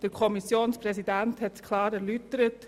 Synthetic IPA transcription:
d̥əɾkʰɔmisjoːnspɾɛsidænthɛtkʰlɑːɾɛɾlytəɾət

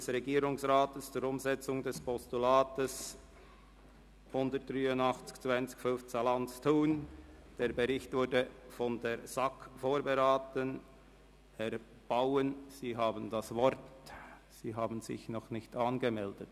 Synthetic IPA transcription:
dsʁɛɡiːɾʊŋsʁaːtəst͡sʊɾʊmzɛt͡sʊŋdɛspʰɔstulaːtəs | hʊndətryːʊnɑχt͡sɪ̥kt͡sv̥ant͡sɪ̥ç̥fʏnft͡salant͡stʰuːn | d̥eːɐbeʁɪçtvʊɾdəfɔndeːɾz̥ɑkfoːɾbeɾaːtən | ɛɾ | b̥aʊənz̥iːɦaːbənd̥asvɔɾt | siːɦaːbənzɪ̰çnɔχnɪçtɑːnɡəmɛldət

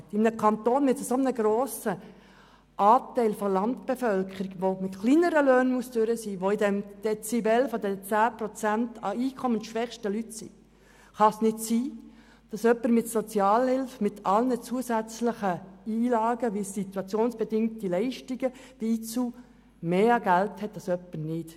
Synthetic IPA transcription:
ɪmnəkʰɑnt̪oːnmɪtəsomənəɡɾoːsə | ʔɑːtɛɪlfɔlɑntb̥efœlkʰəɾiɡʋomɪtχliːnəɾəløːnmuəstøɾəsiːʋoidɛmd̥ɛt͡sibɛlfɔdɛt͡sæːpɾɔt͡sæntɑiːkʰɔmənʃʋɛχʃtəlytsḭ | χɑsnɪtsiː | d̥ɑsœpːəɾmɪtsot͡sjɑːlhɪlfmɪt̪ʰɑlnət͡suəsæt͡sləχəiːlɑːɡəʋisit̪uɑt͡sjoːnsb̥ɛdɪŋ̚tilɛɪʃtiɡəd̥iiːt͡suː | meːɑɡælthɛt̚d̥ɑsœpːəɾnɪt

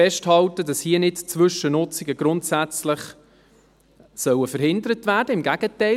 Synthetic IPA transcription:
ɛʃthɑltədɑshiənɪtt͡sʋʏʃənʊt͡siɡəɡ̥ɾʊntsæt͡slɪχ | sœwəfəɾhɪndəɾətvæːɾdəɪmɡæɡ̥ətɛɪ

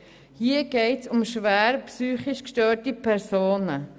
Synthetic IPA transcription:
hiəɡ̥ɛɪtsʊmʃʋæːɾpsyːχiʃkʃtøːɾtipʰɛɾsoːnə

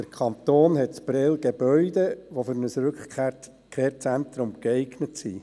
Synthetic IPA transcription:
d̥əɾkʰχɑnt̪oːnhɛtsb̥ɾɛlɡeb̥œʏdeʋofʏɾnəsɾʉkke | kʰeːɾt͡sænt̪ɾʊmkɛɪɡnətsḭ

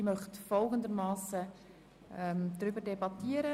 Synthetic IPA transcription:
imœχtfɔlˠɡəndəɾmɑːsə | ɛmd̪ɾʏbəɾdebɑtːiːəɾə

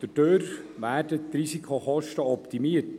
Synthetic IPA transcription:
d̥ədøːɾʋæːrdət̪ɾisikʰoχɔʃtəɔpt̪imiət

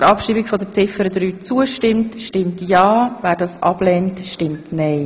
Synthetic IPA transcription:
ɾɑpʃiːbikfɔdət͡sɪfəɾəd̪ɾyːt͡suəʃtɪmtʃtɪmtjɑːvæːɾdɑːsʔɑb̥lɛntʃtɪmtnɛɪ

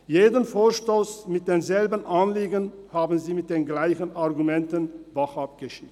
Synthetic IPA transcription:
jeːdənfoːɐʃtoːsmɪt̚d̥eːnzɛlbənʔanliːɡənhaːbn̩ziːmɪt̚d̥eːnɡlaɪçənʔaʁɡumɛntənvaχap̚ɡ̥əʃiː

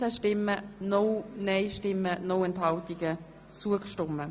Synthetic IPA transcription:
əʃtɪmːənoneɪʃtɪmːənowɛnt̪hɑlt̪ɪɡ̥ə | t͡suəkʃtʊmə

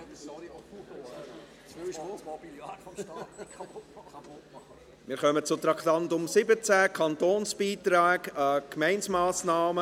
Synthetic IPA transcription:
mɪːɾχœmət͡sʊt̪ɾɑkt̪ɑnt̪ʊmsɪbət͡sæːkʰɑntoːnsb̥iːt̪ɾaːɡəkmɛɪnsmaːsnaːmə

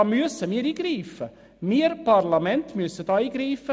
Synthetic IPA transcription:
myəsəmiːɾiːɡ̥ɾiːfə | miːəɾpɑrlɑmɛntmyəsəd̥ɑːiːɡɾiːfə

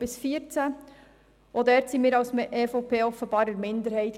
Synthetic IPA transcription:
b̥ɪsfiəɾt͡sæ | ʔodɛɾtsiːmiːɾɑwsʔeːfoʊpʰeːɔfəbɑːɾəɾmɪnd̪əɾhɛɪt̪

